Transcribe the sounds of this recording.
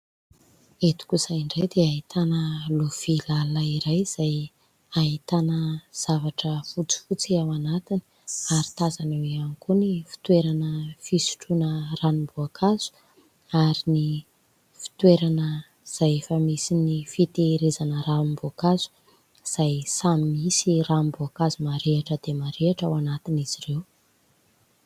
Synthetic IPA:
et̪u̥kusaiɳɖ͡ʐed̪eait̪ʰanəlov̥ilalaiɾajz̥aj | ait̪anəz̥avaʈ͡ʂəfut͡si̥fut͡siawanat̪ini̥ | aɾi̥t̪azaneweanikunifi̥t̪weɾanəfisi̥ʈ͡ʂunəranimbuakʰaz̥u̥ | aɾini | fi̥t̪weɾanə | z̥ajefəmisinifit̪eːɾezanərambuakaz̥u̥ | z̥ajsamimisirambuakazumaɾeaʈ͡ʂəd̪emaɾeaʈ͡ʂawanat̪iniz̥irew

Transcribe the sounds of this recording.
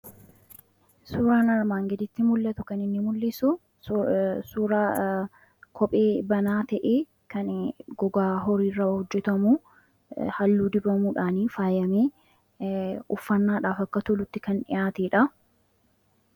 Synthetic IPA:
suːɾaːnɐɾmaːŋɡɛd̪ɪt̪ːɪmʊlːɐt̪ʊkɐnɪnːɪmʊlːɪsʊ | suːɾa | kʰɔpʼeːbɐnaːt̪ɐʔeː | kɐnɡɔɡaːɦɔɾiːrːɐhɔd͡ʒːɛt̪ɐmuː | hɐlːuːd̪ɪbɐmuːᶑaːniːfaːjɐmeː | ʊfːɐnːaːᶑaːfɐkːɐt̪ʊlʊt̪ːɪkɐnᶑɪ̰jaːt̪eːᶑɐ

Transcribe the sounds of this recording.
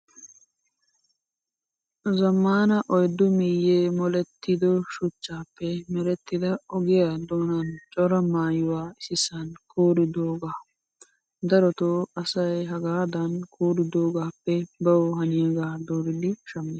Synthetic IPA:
zɐmːaːnɐʔɔjd̪ʊmɪjːeːmɔlɛt̪ːɪd̪ɔʃʊt͡ʃːaːpːɛmɛɾɛt̪ːɪd̪ɐɔɡɪjad̪oːnɐnt͡ʃʼɔɾɐmaːjɪwaːɪsɪsɐnkʰoːɾɪd̪oːɡaː | d̪ɐɾɔt̪oɐsɐjɦɐɡaːd̪ɐnkʰoːɾɪd̪oːɡaːpːɛbɐwhɐnɪɛɡaːd̪oːɾɪd̪ɪʃɐmːɪ

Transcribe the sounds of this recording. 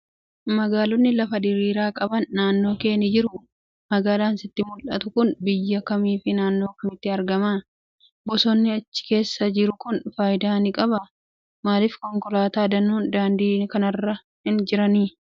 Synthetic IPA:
mɐɡaːlɔnːɪlɐfɐd̪ɪɾiːɾaːkʼɐbɐnːaːnːo̞ːke̞ːnɪd͡ʒɪɾʊ | mɐɡaːlaːnsɪt̪ːɪmʊlʔɐt̪ʊkʊnbɪjːɐkɐmiːfɪnaːnːo̞ːkɐmɪt̪ːɪɐɾɡɐmaː | bɔsɔnːɪɐt͡ʃːɪ̥ke̞ːsːɐd͡ʒɪɾʊkʊnfaːjd̪aːnɪkʼɐbɐ | maːlɪfkɔŋkɔlaːt̪aːd̪ɐnːuːnd̪aːnd̪iːnkɐnɐrːɐ | hɪnd͡ʒɪɾɐniː

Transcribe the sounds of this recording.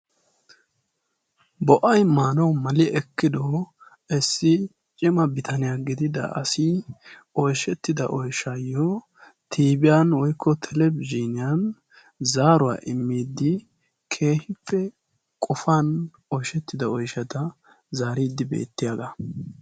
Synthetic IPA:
bɔʔɐjmaːnɔwmɐlɪʔɛkːɪd̪o | ɛsːɪ | t͡ʃʼɪmɐbɪt̪ʰɐnɪjaɡɪd̪ɪd̪ɐ̰ɐ̰si | ɔjʃɛt̪ːɪd̪ɐ̰ʔɔjʃɐjɔ | t̪ʰiːbɪjɐnwɔjkʰːɔt̪ʰɛlɛbd͡ʒiːnɪjɐn | zaːɾʊwa̰ːʔɪmːiːd̪ːɪ | kʰe̞ːhɪpːɛ | kʼɔfan | ɔjʃɛt̪ːɪd̪ɐɔjʃɐt̪ɐ | zaːɾiːd̪ːɪbḛːt̪ːɪjad̪ɐ

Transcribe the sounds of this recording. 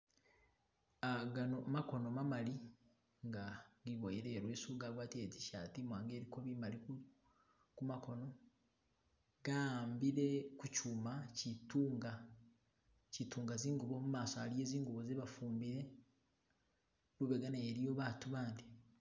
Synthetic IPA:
aɡanomako̞no̞mamali | ŋɡaɡiβojiɾeːɾweːsuːɡaɡwaːtieɟi̥ʃa̰ːtimwaːŋɡe̞ːɾiko̞βimalikuu | kumakʰo̞no̞ | ɡ̥aːmbiɾe̞kucumacituːŋɡa | cituːŋɡaziːŋɡuβomumaːsoalije̞ːziːŋɡuβozeβafuːmbiɾe̞ | luβeɡanaeɾijo̞βaːtuβaːndi

